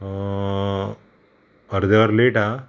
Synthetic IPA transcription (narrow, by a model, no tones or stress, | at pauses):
əɾd̪əɾleːʈa